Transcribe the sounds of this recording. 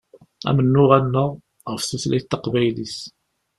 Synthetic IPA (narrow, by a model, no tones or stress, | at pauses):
æ̰mənːʊʁænːəʁ | ʁəfθuslæjt̪ːəqvæjlis